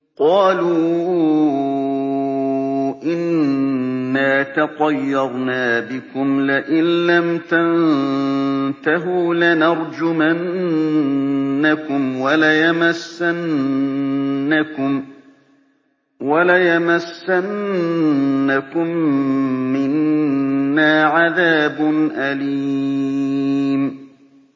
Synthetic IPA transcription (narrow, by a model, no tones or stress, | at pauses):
qɑːluː | ʔɪnː | aːt̪ɑqɑjːɑɾˤnaːbɪkʊmlɪʔɪnlamt̪an | t̪aɦuːlɪnɑɾˤd͡ʒʊman | akʊmwalajamasːan | akʊm | walajamasːanː | akʊmː | ɪnː | aːʕaðaːbʊnʔaliː | m